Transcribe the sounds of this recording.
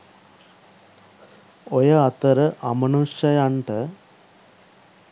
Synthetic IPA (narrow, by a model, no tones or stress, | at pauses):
ojɐɐt̪ɐɾɐʔɐmɐnuʂɐjaɳʈɐ